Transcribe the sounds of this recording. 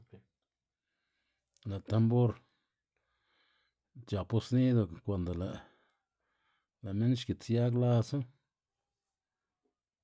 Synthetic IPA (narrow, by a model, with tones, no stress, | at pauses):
la˨t̪a˧mbo˦ɾ | t͡ʃa˨pu˦sni˦d̪o˧˨kʷa˨nd̪o˨la˨ʔ | la˨me˦nʃki˨t͡sja˦kla˧so˦